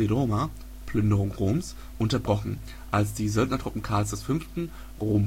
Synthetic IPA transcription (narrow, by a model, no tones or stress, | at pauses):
edoma | pʰlʏndəʁʊŋʁoːms | ʔʊntɐbʁɔχn̩ | ʔalsd̥iːzœldnɐtʁ̥ʊpm̩kʰaːlsd̥ɛsfʏnftn̩ | ʁoːm